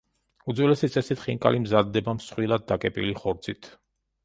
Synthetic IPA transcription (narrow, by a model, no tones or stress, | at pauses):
ud̪zwɛlɛsit̪sʼɛsit̪ʰχiŋkʼa̰limzad̪ːɛbamsχwilˠad̪̚ːakʼɛpʼḭliχɔɾt̪sʰʼit̪ʰ